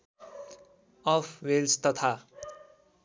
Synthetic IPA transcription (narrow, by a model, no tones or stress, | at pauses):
ʌpʰwelst̪ʌt̪ʰa